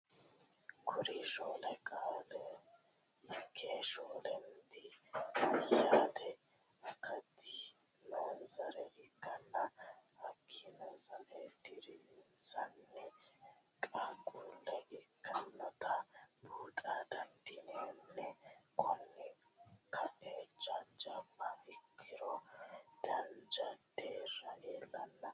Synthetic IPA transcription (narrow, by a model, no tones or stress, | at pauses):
kʰʊɾiʃoːlɐkʼaːlɛ | ɪkʰːeːʃoːlɛnt̪ɪɪjːaːt̪ʰɛ | ɐkːɐt̪ːɪ | nanzɐɾɛʔɪkʰːɐnːɐhɐkʰːinɐsɐnɛd̪ɪɾinsɐnːɛ | kʼaɡʼuːlːɛʔɪkʰːɐnːɔt̪ʰɐbuːt̪ʼaːd̪ɐnd̪ɪnenːɛkʰɔnːɛ | kʰːɐʔed͡ʒɐd͡ʒɐbːɐɪkʰːɪɾɔd̪̥ɐnd͡ʒɐd̪̥eːrːɐʔeːlːɐnːɐ